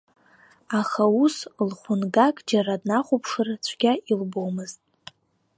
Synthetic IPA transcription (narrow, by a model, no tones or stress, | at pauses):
aχauslχʷʊnɡakʼd͡ʒaɾadnaχʷʊpʰʂɨrt͡ɕʷʰɡʲailbowmɨztʼ